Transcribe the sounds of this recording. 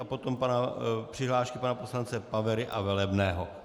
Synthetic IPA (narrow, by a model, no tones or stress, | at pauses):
apot̪o̞mpanapr̥ɪɦlaːʃkɪpanaposlant͡sɛpavɛɾɪʔavɛlɛbnɛːɦo̞